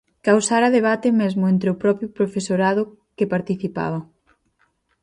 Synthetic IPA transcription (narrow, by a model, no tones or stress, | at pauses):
kawsaɾɐðeβ̞at̪ɪmezmʊent̪ɾeʊpɾɔpɾjʊpɾofesoɾaðʊ | kepaɾt̪iθipa̰βɐ